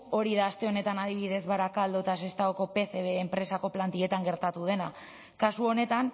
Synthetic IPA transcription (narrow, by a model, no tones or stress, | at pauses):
o̞ɾiðaːst̪e̞o̞ne̞t̪anaðiβ̞iðe̞zβaɾakald̪ot̪asest̪aɣoko̞pe̞θe̞βeːmpɾe̞sako̞plant̪ie̞t̪aŋɡe̞ɾt̪at̪uð̞e̞na | kasuo̞ne̞t̪an